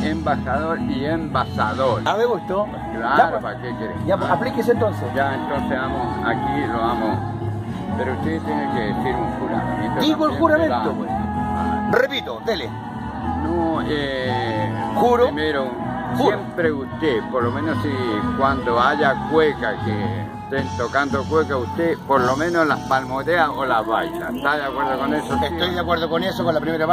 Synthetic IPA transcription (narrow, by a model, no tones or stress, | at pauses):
embasaðoɾiembasa̰ðoɾaðeɣust̪o | klaaɾopakekeɾeaaplikesent̪õnsesd͡ʒaent̪onseamosa̰kiloamo | peɾoust̪et̪jenekeðesiɾuŋxuɾa̰mẽnt̪od̪iɣoexuɾamẽnao | repit̪od̪ele | nõe | xuɾomeɾouxupɾeust̪epoɾlomẽnosikwand̪oaʎakwekake | t̪ent̪okand̪okwekaust̪epoɾlomẽnolahpalmot̪eaolaβajt̪a̰et̪aðeakweɾðokonesoest̪ojðakweɾðokonesokolapɾimeɾa